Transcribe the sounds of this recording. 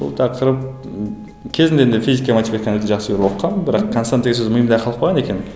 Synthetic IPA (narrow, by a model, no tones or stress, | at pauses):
bʊ̰lˠt̪ʰɑqʰəɾəp̚ | kʲʰe̞zɪnd̪eend̪efʲizikʲːɑmat̪ʲivat̪kɑnwøt̪eʒɑqsəbeɾwotqʰːɑmbɪɾɑqkʰonsaneɡʲes̬ɵzməjəmd̪ɑɾqʰɑlˠəqpʰojʁɑnekʲe̞n